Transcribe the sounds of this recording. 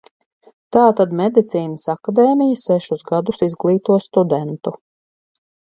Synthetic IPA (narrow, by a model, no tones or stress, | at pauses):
t̪aːt̪ad̪mɛd̪it̪siːnəsakad̪ɛːmijəsɛʃusɡad̪usizɡlˠiːt̪uɔst̪ud̪ɛnt̪u